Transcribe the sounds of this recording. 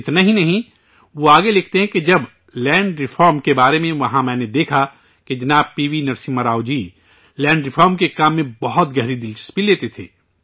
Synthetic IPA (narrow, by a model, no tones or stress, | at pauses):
ɪt̪naɦĩnɐɦĩ | ʋoaːɡelɪkʰt̪eɦɛ̃ked͡ʒɐb | lɛ̃ːɳɖɾɪfʰɔːɾmkebaːɾemẽʋɐɦãmɛ̃ːned̪eːkʰa | ked͡ʒɐnaːb̚piːʋinɐɾsĩmɐɾaːʊd͡ʒiː | lɛ̃ːɳɖɾɪfʰɔːɾmkekaːmːẽbɐɦɔt̪ɡɐɦɾid̪ɪlt͡ʃə̥spileːt̪et̪ʰḛː